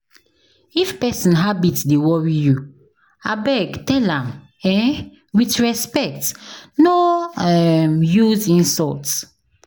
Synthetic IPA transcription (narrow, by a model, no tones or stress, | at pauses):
ifpɛsɔ̃nɦabitsdewɔɹiju | abɛɡtɛlãm | ɛ | witɹɛspɛk̚tnoɛmjuzĩnsɔlts